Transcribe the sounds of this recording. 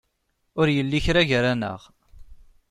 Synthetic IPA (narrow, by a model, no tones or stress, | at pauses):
ʊɾjəlːiçɾaʝɾænə̰ʁ